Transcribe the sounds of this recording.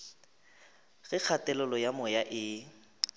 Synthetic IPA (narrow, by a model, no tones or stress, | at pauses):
ɣɪk͡xʰatɛlʊlɔjamɔjaʔɪ